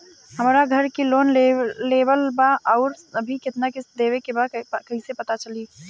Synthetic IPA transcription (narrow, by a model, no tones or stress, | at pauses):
ɦəmɾaɡʱəɾkiloːnleːbəlbaʔɔːʊɾəbʱikɪt̪nakɪsd̪eːʋekebakɐɦĩsepɐt̪at͡ʃəli